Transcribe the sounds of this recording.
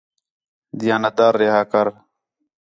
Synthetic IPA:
d̪ɪjaːnət̪d̪aːɾːeːɦaːkəɾ

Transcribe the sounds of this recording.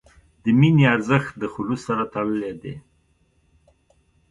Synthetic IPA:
d̪əminiaɾzəxt̪̚d̪əxʊlusːaɾat̪aɽəled̪e

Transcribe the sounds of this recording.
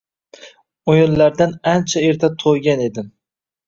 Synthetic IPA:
ojʊllaɾd̪anant͡ʃʰae̞ɾt̪ʰat̪ʰojɡʲane̞d̪ɪm

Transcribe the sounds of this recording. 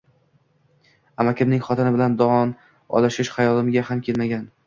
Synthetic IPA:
amakʲɪmnɪŋχɒt̪ʰɪnɪbɪland̪ɒɒn | ɒ̰lˠɪʃɪʃhajɒlɪmɪɡʲahamkʲʰe̞lmaɡʲan

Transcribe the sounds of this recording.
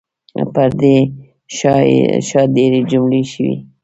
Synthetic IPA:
paɾd̪e | ʃʃɑd̪eɾed͡ʒumleʃəwḭ

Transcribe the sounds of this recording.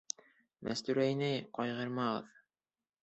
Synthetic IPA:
mʔæ̰st̪ʉɾæjnæjqɒjʁɤɾmɑʁɤ̰ð

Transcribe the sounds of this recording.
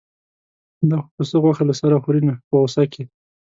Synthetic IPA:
d̪ɑxopəsəɣwaxalasaɾaxoɾinapəɣosake

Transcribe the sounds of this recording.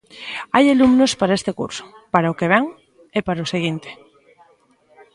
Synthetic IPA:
ajalumnospaɾaest̪ekṵɾso̥paɾaokeβ̞eŋ | epaɾaoseɣ̞int̪e̥

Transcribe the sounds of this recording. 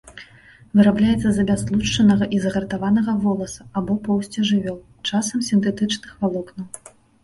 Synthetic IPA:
vɨɾablʲajɛt̪sːɐzɐbʲaslˠut͡ʂt͡ʂɐnɐɣɐʔizɐɣɐɾt̪avanɐɣɐvɔlˠɐsɐ̥abɔpɔwsʲt͡sʲɛʐɨvʲɔw̪ˠ | t͡ʂasɐmsʲint̪ɛt̪ɨt͡ʂnɨxvalˠɔknɐw

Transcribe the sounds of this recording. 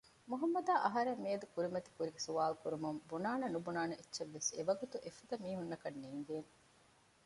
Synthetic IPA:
muɦɐmːɐd̪aːʔɐɦɐɾemːiːd̪ukuɾimɐt̪i̥kuɾiɡesuʋaːlkuɾumumbunaːnɐnubunaːnɐetːʃeʋːeseʋɐɡut̪uʔefɐd̪ɐmiːɦunːɐkɐnːiːŋɡeːn

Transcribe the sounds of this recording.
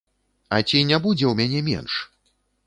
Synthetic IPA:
ɐt͡sʲinʲabud͡zʲɛwmʲanʲɛmʲɛ̰nʂ

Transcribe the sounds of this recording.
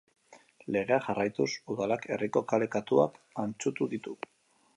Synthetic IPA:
le̞ɣe̞axarajt̪usuðalakʰe̞riko̞kale̞kat̪ua̰kant͡sut̪uðit̪u

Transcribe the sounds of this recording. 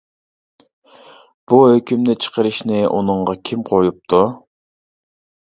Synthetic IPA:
b̥uhøkʲymnɪt͡ʃʰə̥qʰəɾɨʃnɪʔunɨŋʁɑkʲʰimqʰojup̚t̪ʰu

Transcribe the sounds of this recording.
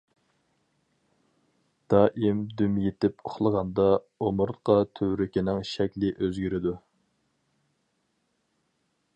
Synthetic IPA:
d̪̥ɑːʔimd̪ymjet̪ɪpo̥χlˠəʁɑnd̪ɑ | omʊɾt̪qʰɑt̪ʰøwɾɪkʲinɪŋʃɛkʲlɪʔøzɡʲyɾɪd̪u

